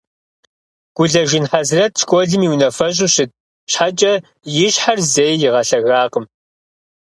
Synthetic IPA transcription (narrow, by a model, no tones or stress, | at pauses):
ɡ̥ʷʊɮɐʒɪnħazrɐt̚ʃkʷʼɔɮɨmiːwnɐfɐɕ̬ʼʊɕɪt̚ | ɕħat͡ʃʼɐ | jɪɕħarzeːjjɪʁɐɬɐɣaːqəm